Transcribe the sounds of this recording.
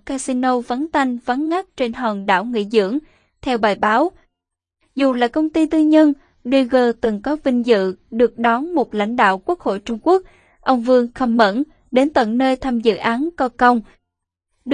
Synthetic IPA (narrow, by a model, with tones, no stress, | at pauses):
kaː˧si˧no˧və˨˦nt̪a˧jŋ̟və˨˦nɣa˦˥k̚t͡ɕe˧nɦəː˨˩ŋɗa̰ː˧˩wŋḭ˧˨zɨ̰˧˥əŋ | t̪ʰɛ˧wɓaː˨˩jɓaː˨˦w | zu˨˩laː˨˩kə˧wŋ͡mt̪i˧t̪ɨ˧ɲə˧n | ɗi˧ɣəː˧˩t̪ɨ˨˩ŋkɔ˨˦vï˧ŋ̟zɨ̰˧˨ɗɨ˨˩ək̚ɗɔ˨˦nmo˨˩t̚la̰˧˥jŋ̟ɗa̰ː˧˨wku˦˥ək̚ho̰˧˨jt͡ɕʊ˧ŋ͡mku˦˥ək̚ | ʔə˧wŋ͡mvɨ˧əŋxə˧mːə̰˧˥n | ɗe˨˦nt̪wə̰˧˨nnəː˧jt̪ʰa˧mzɨ̰˧˨ʔaː˨˦nkɔ˧kə˧wŋ͡m | ɗɨ˨